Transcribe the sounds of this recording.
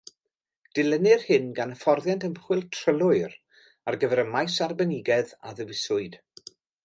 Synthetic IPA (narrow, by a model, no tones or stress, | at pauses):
d̥ɪlənɪrhɪnɡanəfɔrðjantʰəmχwɪlˠtʰr̥əlˠʊɨr | arɡəvɛɾəmajsarbɛnɪɡɛða̰ðəvɪsʊɨd̥